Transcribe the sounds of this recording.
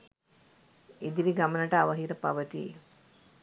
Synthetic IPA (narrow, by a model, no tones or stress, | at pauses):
id̪iɾiɡamənəʈəaʋəɦiɾəpaʋət̪ḭ